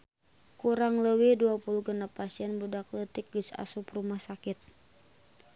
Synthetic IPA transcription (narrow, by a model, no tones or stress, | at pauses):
kuɾaŋləwihduapuluɡənapasiɛnbudak̚lət̪ɪk̚ɡəsa̰suprumahsakɪt̪̚